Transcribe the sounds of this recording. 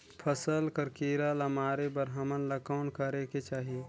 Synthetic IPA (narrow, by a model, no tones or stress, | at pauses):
pʰəsəlkəɾkiːɾaləmaːɾebəɾɦəmənləkaːnkəɾeket͡ʃaːɦie